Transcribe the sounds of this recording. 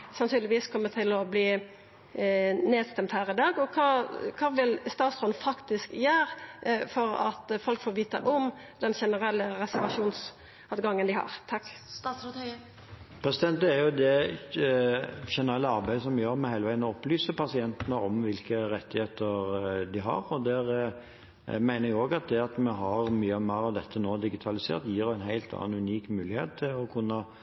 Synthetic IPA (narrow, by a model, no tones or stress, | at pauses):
sɑnsʰyːlɪʋiːskʰɔmːət̪ʰɪlɔbliː | neːd̪st̪ɛmt̪hæːʁɪd̪ɑːɡɔkʰɑːkʰɑːʋɪlst̪ɑːt̪sʁɔnfɑkt̪ɪskjæːɾfɔɾɑ̰t̪fɔlkfoːɾʋiːt̪ə̰ʔɔm | d̪ɛnçɛnəʁɛlːəʁɛsæɾʋɑʂuːns | ɑʋɡɑŋːənd̪ɪhɑ̰ʁt̪ʰɑkːst̪ɑːsɾɔt̪ | pʰɾɛsɪd̪ɛnt̪əæɾjʊd̪ɛ | ʃɛnəɾɛlːəɑɾbæɪd̪əsɔmjøːɾmɛhæɪləʋæɪənɔɔplyːsəpʰɑsɪɛnt̪ənəɔmʋɪlkəɾɛt̪ːɪheːt̪əɾd̪ɪɦɑ̰ɾɔd̪æɾ | mæɪnəɾɛɡoːɡɑt̪̚d̪ɛɑt̪mɛɦɑɾmyːəɔmæːɾɑʋd̪ɛt̪ʰːənoːd̪ɪɡɪt̪ʰɑlɪsḛːɾt̪jiːɾæɪnɦæɪlt̪ʰɑ̰nːɑnʉniːkmʉːlɪhḛːt̪ʰːɪlɔkʰʊnːə